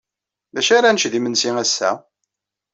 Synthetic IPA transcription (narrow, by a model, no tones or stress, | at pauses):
ðæʃaɾanəʃðimənsiŋæsːæ̰